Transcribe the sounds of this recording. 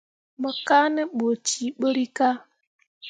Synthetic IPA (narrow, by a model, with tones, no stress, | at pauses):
mə˨ka˦nɛ˦ɓo˨t͡ʃi˨˦ɓo˦ɾi˦ka˦